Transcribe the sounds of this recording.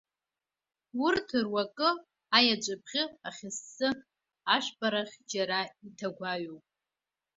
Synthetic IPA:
wʊrtʰɨrwakʼɨ | ajat͡ʃʷʼɨp̚ʰχʲɪaχʲɪsːɨ | aʃʷpʼaɾaχʲd͡ʒaɾaitʰaɡʷaɥowpʼ

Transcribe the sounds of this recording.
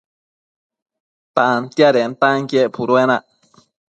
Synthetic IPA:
t̪ant̪jaɾent̪aŋkjepʰuɾuenaʔ

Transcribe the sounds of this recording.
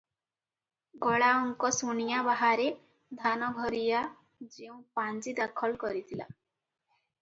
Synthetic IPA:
ɡɔɭaɔŋkɔsunijabaɦaɾe | d̪ʱanɔɡʱɔɾija | d͡ʒeũpand͡ʒid̪akʰɔlkɔɾit̪ʰila̰

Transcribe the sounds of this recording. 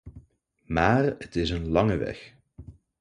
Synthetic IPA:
maːrətɪsənlɑŋəʋɛ̰x

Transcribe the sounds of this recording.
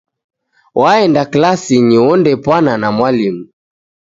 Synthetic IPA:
wʔaɛndaklasiɲiwɔndɛpwananamwalimu

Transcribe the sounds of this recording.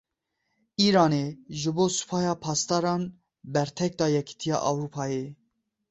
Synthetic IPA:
iːɾɑːneːʒɨboːsu̥pʰɑːjɑːpʰɑːst̪ɑːɾɑːn | bɛɾt̪ʰɛk̚d̪ɑːjɛkʰi̥t̪ʰijɑ̰ːʔɑwɾupʰɑːje

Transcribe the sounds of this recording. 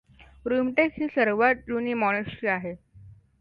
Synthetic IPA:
ɾumʈekhiːsəɾʋaʈ̪̚juniːmɔɽ̃eʂʈɾiːaɦe

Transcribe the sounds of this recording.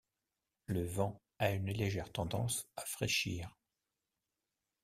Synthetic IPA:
ləvɑ̃ | aynleʒɛʁt̪ɑ̃d̪ɑ̰̃safχeʃiːʁ

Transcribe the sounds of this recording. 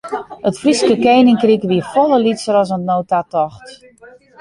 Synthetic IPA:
ətfriskəkejnɪŋkrikʋiəfɔləlisəɾɔs̬ənnːoːtatɔxt

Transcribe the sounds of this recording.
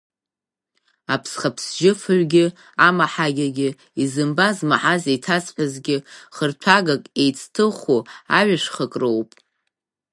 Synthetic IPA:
apʰsχapʰsʒɪfɨɥʷɡʲɪ | amaħaɡʲaɡʲɪ | izɨmbazmaħazejtʰat͡sʼħʷᶣazɡʲɪχərt͡ɕʷʰaɡakʼejt͡sʼʰtʰɨχua̰ʕʷaʂχəkʼrowpʼ

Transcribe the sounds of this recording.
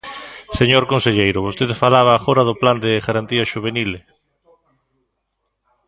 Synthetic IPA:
seɲoɾkonseʎejɾʊβ̞ost̪eðfalaβ̞aːxoɾaðʊpland̪eɣaɾant̪iaʃuβenil

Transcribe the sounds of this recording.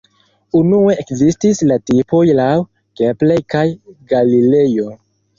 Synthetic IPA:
unue̞ʔekzistislatipo̞jlaw | ɡ̥eple̞jkajɡalile̞jo̞

